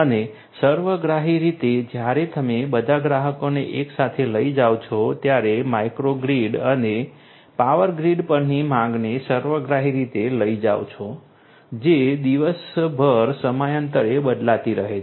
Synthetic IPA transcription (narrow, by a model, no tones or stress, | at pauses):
əne | səɾʋəɡɾaɦiɾit̪ed͡ʒjaɾet̪əmebəd̪ʱaɡɾaɦəkoneʔeksat̪ʰeləid͡ʒaʋt͡ʃʰot̪jaɾemaikɾoɡɾiɖəne | paʋəɾɡɾiɖpəɾnimãŋɡnesəɾʋəɡɾaɦiɾit̪eləid͡ʒa̰ʋt͡ʃʰo | d͡ʒed̪iʋəsbʱəɾsəmajənt̪əɾebəd̪lat̪iɾəɦe